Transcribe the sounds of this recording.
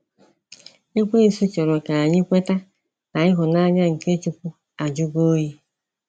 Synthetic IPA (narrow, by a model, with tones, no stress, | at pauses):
i˦kʷe˦i˨su˦t͡ʃɔ˨ɾɔ˨ka˨a˨ɲɪ˦kʷe˦ta˦ | na˨ɪ˦ɦʊ˨na˦ɲa˦ŋ̩˨ke˦t͡ʃu˦pu˦ | a˨d͡ʒʊ˦ɡo˦ɦi˦